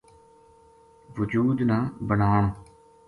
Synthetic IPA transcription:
ʋʊd͡ʒuːd̪naːbənaːɳ̃o

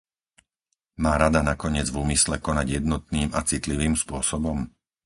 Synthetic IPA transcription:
maːɾad̪anakɔɲɪɛd͡zvuːmislɛkɔnaɟjɛd̪nɔt̪̚niːmat͡sit̪liʋiːmspʊɔsɔbɔm

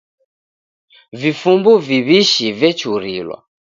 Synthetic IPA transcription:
vifumbuviβiʃivjɛt͡ʃuɾḭlwa̰

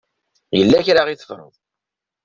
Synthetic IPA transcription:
jəlːæçɾaʁiθə̥fɾˤʊ̰ðˤ

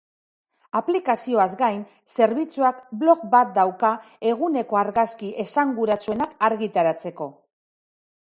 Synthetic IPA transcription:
aplikasio̞azɡajn | se̞ɾβit͡suakblo̞kbat̪̚d̪awka | e̞ɣ̞une̞ko̞aɾɣaskiʔe̞saŋɡuɾat͡sue̞nakaɾɣit̪aɾat͡se̞ko̞

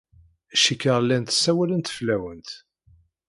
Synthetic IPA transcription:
æʃikːəʁlːænt̪ə̥sːæwælənt̪flæwənt̪

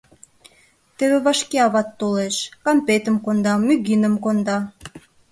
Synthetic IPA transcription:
t̪eβeβɑʃkeɑβɑt̪ːoleʃkɑmpet̪əmkond̪ɑmyɣinəmkond̪ɑ

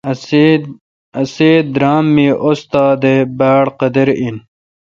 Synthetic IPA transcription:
ɐseːd̪ɾaːmːiːʔost̪aːd̪ebaːɽqɐd̪ɐɾin

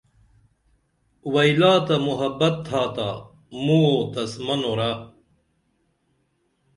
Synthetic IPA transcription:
wɐjlaːt̪ɐmuɦɐbɐt̪ʰːaːt̪aː | muot̪ɐsmɐnoɾa

